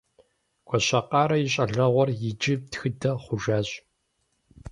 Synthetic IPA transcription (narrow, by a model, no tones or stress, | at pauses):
kʷʰɔɕɐqɑːɾɐjɪɕʼɐɮɐʁʷɔrjɪd͡ʒʼɪtxɨdɐχʷʊʒaːɕʼ